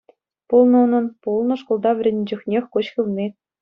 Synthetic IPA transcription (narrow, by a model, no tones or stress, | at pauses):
pulˠnɤ̆unɤ̆npulˠnɤ̆ʂkŏlˠd̪ɑʋʲɘ̆rʲĕnʲd͡ʑɘ̆xʲnʲexʲkoɕxʲɯlʲˠmʲe